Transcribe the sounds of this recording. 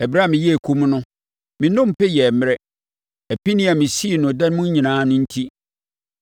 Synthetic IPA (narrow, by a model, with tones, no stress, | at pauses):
ɛ˨bɾa˦˨mɪ̃˨jɛ˦e˨kʰu˦mnʊ̃˦ | mɪ̃˨nʊ̃˦m˨pɛ˦jɛ˨m˦ɾɛ˦ | æ˨pi˦nĩ˦a˨mɪ̃˨si˦˨nʊ̃˨dɛ˦n˦mʊ̃˦ɲĩ˨nãː˦nʊ̃˦n̩˦tʰi˦